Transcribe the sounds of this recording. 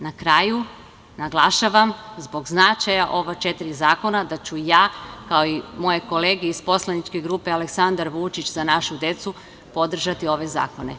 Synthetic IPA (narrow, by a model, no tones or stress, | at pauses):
nakɾaːju | naɡlˠaʃaʋamzbo̞ɡznat͡ʃajaʔo̞ʋat͡ʃet̪iɾizaːko̞nad̪at͡ɕujaːkaoimo̞je̞ko̞le̞ːɡeispo̞slˠanit͡ʃke̞ɡɾuːpeale̞ksand̪aɾʋut͡ʃit͡ɕzanaʃud̪e̞t̪su | po̞d̪r̩ʒat̪io̞ʋe̞za̰ːko̞ne̞̰